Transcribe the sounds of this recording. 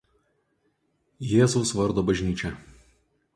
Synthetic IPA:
jeːzʊʊsʋɐɾd̪oːbɐʒʲnʲiːt͡ʃʲɛ

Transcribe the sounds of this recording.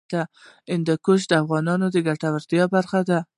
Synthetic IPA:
d̪̥a | ɪnd̪akoʃd̪afɣɑnɒnʊd̪ɪɡaɾt̪awɪɾd̪ɪjɑbaɾχad̪a

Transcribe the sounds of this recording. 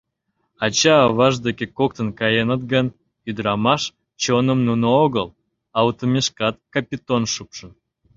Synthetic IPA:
ɑt͡ɕɑːβɑʒd̪ekʲekok̚t̪ənkɑjenət̪ɡən | yd̪ɾɑmɑʃ | t͡ɕonəmnunəoɣəl | ɑwt̪omʲeʃkɑt̪kɑpʲit̪onʃupʃən

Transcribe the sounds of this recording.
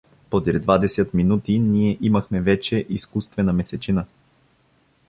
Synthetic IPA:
pod̪ɾɛd̪vad̪ɛsɛt̪minut̪iniɛʔiməxmɛvɛt͡ʃɛʔiskust̪vɛnəmɛsɛt͡ʃinə

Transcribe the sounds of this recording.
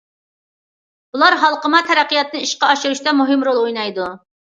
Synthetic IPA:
bulˠɑɾɦɑlˠqəmɑt̪ʰɛɾæqijɑt̪nɨiʃqɑɑʃuɾuʃt̪ɛmuɦɪmɾolˠojnɑjd̪u

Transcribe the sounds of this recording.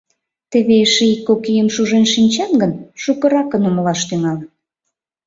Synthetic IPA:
t̪eβeʃeikːokijəmʃuʒenʃinʲt͡ɕɑnɡənʃukəɾɑkənoməlɑʃt̪yŋɑlən

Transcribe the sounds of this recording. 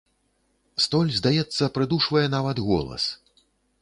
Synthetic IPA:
st̪ɔlʲzd̪ajɛt̪sːɐpɾɨd̪uʂvɐjɛnavɐd̪ɣɔ̰lˠɐ̰s

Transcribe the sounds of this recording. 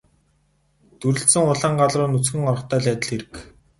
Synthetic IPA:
t̪uɾɘ̆ɬsɘ̆ŋʊɮaːɴɢaɮrʊːnut͡sxɘ̆ŋɔrɞ̆χt̪ʰœːɮæːt̪ə̆ɮxeɾɘ̆k

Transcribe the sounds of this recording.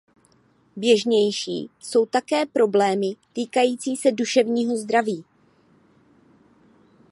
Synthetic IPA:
bjɛʒɲɛjʃḭːso̞wt̪akɛːpɾo̞blɛːmɪt̪iːkajiːt͡siːsɛduʃɛvɲiːɦo̞zd̪ɾaviː

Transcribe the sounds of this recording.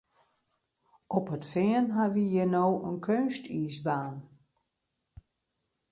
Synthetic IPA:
ʔɔpətfɪənɦaʋijənoːʔənkʰønstiːsbaːn

